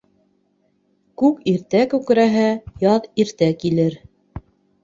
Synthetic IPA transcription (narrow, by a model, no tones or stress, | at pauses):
kʉkiɾt̪ækʉk̆ɾæɦæjɑðiɾt̪ækilɘɾ